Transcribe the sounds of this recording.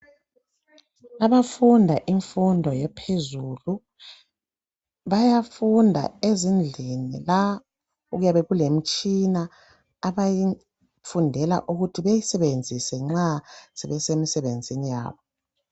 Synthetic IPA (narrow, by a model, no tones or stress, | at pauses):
aβafundʱaʔiɱfundʱɔjɛpʰezuːlu | βajafundʱa̰ezind͡ɮʱinila | uɣujaβɛɣulem̩t͡ʃʼinaː | βaji | fundʱɛla̰ʔuɣutʰiβejisɛβend͡zʱisɛŋ͡ǁaz̥ɛβɛsemisɛβend͡zʱinija̰ːβɔ